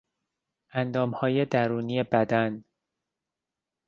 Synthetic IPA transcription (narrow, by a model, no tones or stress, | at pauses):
ʔænd̪ɒːmhɒːje̞d̪æɾuːnije̞bæd̪æn